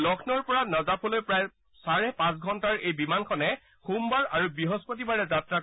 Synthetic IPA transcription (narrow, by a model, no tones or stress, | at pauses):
lɔkʰnɔɹpɔɹanɔzapʰɔlojpɹaj | saɹɛpãs̬ɡʱɔntaɹejbimankʰɔnɛ | xumbaɹaɹubiɦospot̬ibaɹɛzatɹa